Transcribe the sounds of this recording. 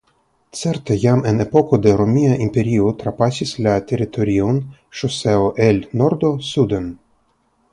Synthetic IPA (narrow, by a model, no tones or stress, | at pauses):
t͡seɾt̪e̞jamene̞po̞ko̞d̪e̞ɾomʲiaʔimpe̞ɾiot̪ɾapasislat̪e̞ɾit̪ʰo̞ɾion | ʃose̞oʔelno̞ɾd̪o̞sud̪en